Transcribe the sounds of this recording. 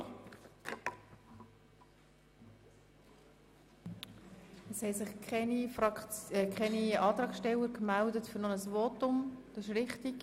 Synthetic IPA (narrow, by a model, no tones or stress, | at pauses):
əshɛɪsɪχɛnifɾɑkkχɛniɑːt̪ɾɑːksʃtɛlːəɾkmældətfʏɾnonəsvotʊmd̥ɑsɪʃɾɪχtik